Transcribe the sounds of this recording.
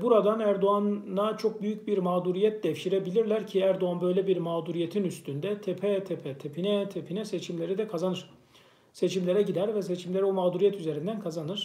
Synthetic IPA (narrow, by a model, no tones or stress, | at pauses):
buɾad̪anæɾd̪oanːat͡ʃʰo̞k̚byjycbiɾmaːd̪uɾijɛt̪̚d̪ɛfʃiɾebilʲiɾlʲæɾcʰiæɾd̪oanbø̞jlʲebiɾmaːd̪uɾije̞t̪ʰinyst̪ʰynd̪ɛt̪ʰepʰɛt̪ʰepʰɛt̪ʰepʰinɛt̪ʰepʰinɛset͡ʃʰimlʲe̞ɾid̪ɛkʰazanɯɾ̥ | se̞t͡ʃʰimlʲe̞ɾɛɟid̪æɾvɛse̞t͡ʃʰimlʲe̞ɾɛomaːd̪uɾijɛt̪ʰyze̞ɾind̪ænkʰazanɯɾ̥